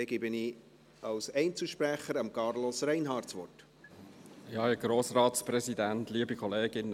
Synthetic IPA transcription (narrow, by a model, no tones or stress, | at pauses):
eɡɪbəni | ɑlsɛɪnt͡səʃpɾæχəɾɑmkɑrlɔsrɛɪnɦɑːrtsʋɔ̰t | ɪhɑɛɡ̥ɾoːsrɑːtspɾɛzidæntliəbikʰɔleːɡ̥ɪnːə